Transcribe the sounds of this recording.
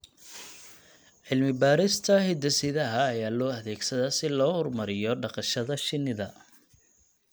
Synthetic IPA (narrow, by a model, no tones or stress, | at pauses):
ʕɪlmɪbaːɾɪst̪ʰɐhɪd̪ɐsɪðɐɦɐːjaːlɔːɐðɛːɡsɐðɐsɪlɔːhʊrmɐɾɪjɔɖɑqɑʃɐðɐʃɪnːɪðɐ